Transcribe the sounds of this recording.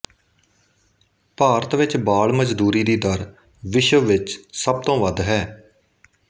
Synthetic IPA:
paːɾət̪ʋɪt͡ʃbaːɭməd͡ʒd̪uːɾiːd̪iːd̪əɾ | ʋɪʃəʋɪt͡ʃsəb̚t̪õːʋəd̪ɦɛː

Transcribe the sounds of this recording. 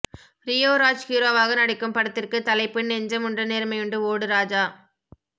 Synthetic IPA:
ɾɪjoːɾaːd͡ʒkiːɾoːʋaːɣɐnɐɽɪkːɯmpɐɽɐt̪ːɪrkɯt̪ɐlɐɪpːɪɳːɛɲd͡ʒɐmʊɳdrɐneːɾmɐɪjɯɳɖɯoːɽɯɾaːd͡ʒaː

